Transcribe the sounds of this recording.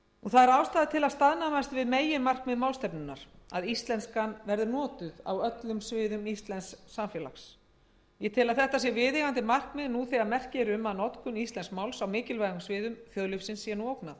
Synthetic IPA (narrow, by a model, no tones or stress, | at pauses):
uθaðɛɾaːwst̪aːðɪt̪ʰɪlaðst̪aðnamast̪vɪðmeːjɪmar̥kmɛðmaːwlst̪ɛpnʏnːaɾ̥aðist̪lɛnskanvɛɾðʏnɔːt̪ʏða̰wœt̪lʏmsvɪːðʏmist̪lɛnsːamfjɛːla̰xs | jɛt̪ʰɪlaðθɛht̪asjɛvɪðɪɣant̪ɪmar̥kmɛðnuθɛɣamɛr̥cɪɾʏmːaðnɔt̪kʏnist̪lɛnskmawlsawmɪːcɪlvaɣʏmsvɪːðʏmfjɔðlɪfsɪnsːjɛnuowknað